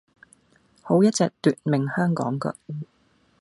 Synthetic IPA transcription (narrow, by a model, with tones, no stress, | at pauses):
ho˨˥wjɐ˥t̚t͡sɛː˨˧k̚t̪yː˨t̚mɪ˨ŋhœː˥ŋkɔ̰ː˨˥ŋkə̰˧